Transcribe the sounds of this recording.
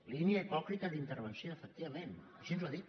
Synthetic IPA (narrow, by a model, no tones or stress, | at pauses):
liniəipɔkɾit̪əðint̪ərβənsjoəfək̚t̪iβɐmenəʃinzuwaðit̪